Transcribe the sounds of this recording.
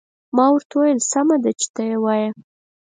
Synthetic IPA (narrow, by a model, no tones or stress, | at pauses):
mɑwaɾt̪awajəlsamad̪at͡ʃɪ̥t̪əjewɑja